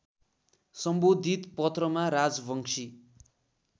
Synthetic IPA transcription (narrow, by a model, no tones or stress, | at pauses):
sʌmbod̪ʱit̪pʌt̪rʌmaɾad͡zbʌŋsʰi